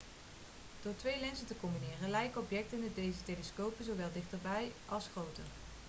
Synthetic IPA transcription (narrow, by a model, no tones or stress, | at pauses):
d̥oːɹtʋejlɛnsəntəkɔmbinɪːrənlɛjkəɔpjɛk̚təndədejzətejləskowpənzowʋɛlˠdɪχtəɹbɛjʔɑlˠsχrowtə̰r